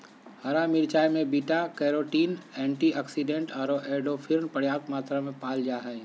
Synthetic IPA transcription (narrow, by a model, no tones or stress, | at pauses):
hɐɾamɪɾt͡ʃaːjmẽbiːʈakɛːɾoːʈiːnɛ̃ːɳʈiəksiɖẽɳʈɔːɾoʔeːɖopʰɪɾnpɐɽjaːt̪maːt̪ɾamẽpaːld͡ʒaːɦɛ